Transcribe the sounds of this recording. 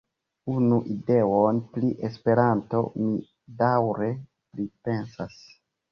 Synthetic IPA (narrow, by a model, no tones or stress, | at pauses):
unuʔide̞onpliʔe̞spe̞ɾanto̞̰mi | dawɾe̞ | plipe̞nsas